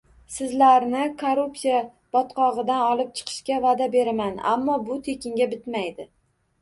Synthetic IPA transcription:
sɪzlaɾnɪkʰoɾupsija | b̥ɒt̪qʰɒʁɨd̪anɒlˠɪp̚t͡ʃʰɨ̥qʰɨ̥ʃkʲavad̪abe̞ɾamana̰mːɒbʊt̪ʰe̞kʲɪŋɡʲabɪt̪majd̪ɪ

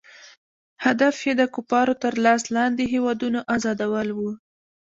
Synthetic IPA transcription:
had̪afjed̪əkupɑɾot̪əɾlɑslɑnd̪eɦewɑd̪unaʔazɑd̪awəlwu

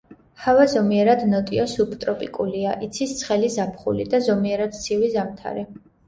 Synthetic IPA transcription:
havazɔmiɛɾad̪nɔt̪ʼiɔsupʰt̪ʼɾɔpʼikʼuliaʔit̪sʰist̪sʰχɛlizapʰχṵlḭd̪azɔmiɛɾad̪̥t̪sʰivizamt̪ʰa̰ɾɛ

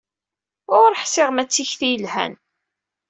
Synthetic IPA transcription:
ʊɾħsɪʁmæt͡sːiçθijəlhæ̰n

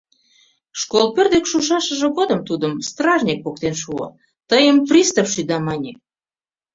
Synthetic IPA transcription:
ʃkolpørd̪ekʃuʃɑʃəʒə̆ɣod̪əmt̪ud̪əmst̪rɑʒnʲik̚pok̚t̪enʃuo̰ | t̪əjəmfrʲist̪ofʃyd̪ɑmɑnʲe

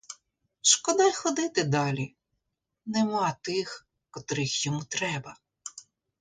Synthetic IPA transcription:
ʃkɔd̪ɑjxɔd̪ɪt̪ɪd̪ɑlʲi | nɛmɑt̪ɪx | kɔt̪ɾɪxjɔmut̪ɾɛbɐ

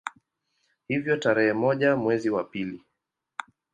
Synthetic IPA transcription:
hivjɔtaɾɛhɛmɔʄamwɛziwapili

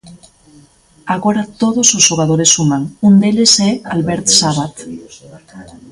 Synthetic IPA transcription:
aɣo̞ɾat̪o̞ðososoɣaðoɾe̞sumaŋund̪elesealβeɾt̪saβat̪

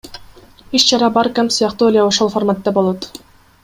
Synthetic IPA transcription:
iʃt͡ʃʰɑɾɑbɑɾkamsɯjɑqt̪uolʲijaoʃo̞lˠfoɾmat̪ːɑbo̞lˠot̪

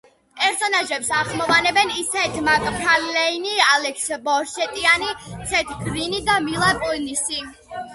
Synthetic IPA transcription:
pʼɛɾsɔnaʒɛpsaχmɔvanɛbɛnisɛt̪ʰmakʼpʰɾallɛinialɛksbɔɾʃɛt̪ʼianisʰɛt̪ʰɡɾinid̪amilˠapʼunisi

